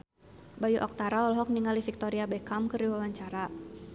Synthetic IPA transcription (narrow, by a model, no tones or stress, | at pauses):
bajuʔɔ̰k̚t̪aɾaɔlɦɔk̚niŋalifik̚t̪oɾiabɛkamkɨɾiwawaɲt͡ʃaɾa